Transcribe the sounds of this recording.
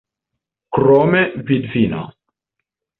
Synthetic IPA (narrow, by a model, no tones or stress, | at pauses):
kɾɔmevid̪vina̰